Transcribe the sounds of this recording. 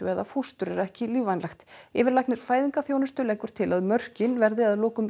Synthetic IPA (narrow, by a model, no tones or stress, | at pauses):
ʏɛðafust̪ʏɾɛɾɛhcɪliːvajnlaxt̪ɪːvɪɾlaknɪɾ̥faːjðiŋkaθjoːwnʏst̪ʏlɛːjkʏɾ̥t̪ʰɪlaðmœr̥cɪnvɛɾðɪaðloːwkʏm